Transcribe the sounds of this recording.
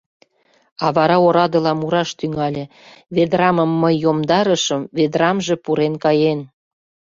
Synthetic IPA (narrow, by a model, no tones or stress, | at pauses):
ɑβɑɾɑoɾɑd̪ə̆lɑmuɾɑʃt̪yŋɑlʲĕ | βed̪rɑmə̆mːəjːomd̪ɑɾə̆ʃəmved̪rɑmʒĕpuɾenkɑjen